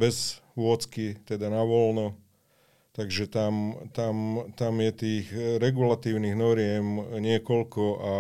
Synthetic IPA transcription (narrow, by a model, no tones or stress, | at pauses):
bɛzʋʊɔt͡skit̪ɛd̪anaʋɔlnɔ | t̪aɡʒɛt̪amt̪amt̪amjɛt̪iːxɾɛɡulat̪iːʊniɣnɔɾɪɛmɲɪɛkɔlkɔʔa